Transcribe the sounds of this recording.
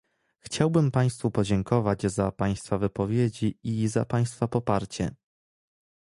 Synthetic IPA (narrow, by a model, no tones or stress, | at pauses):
xt͡ɕawbɘmpaj̃st̪fupɔd͡ʑɛŋkɔvad͡ʑzapaj̃st̪favɘpɔvʲjed͡ʑiizapaj̃st̪fapɔpaɾt͡ɕɛ̰